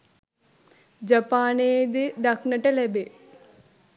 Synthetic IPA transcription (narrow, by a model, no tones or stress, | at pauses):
d͡ʒɐpaːneːd̪id̪ɐknɐʈɐlebe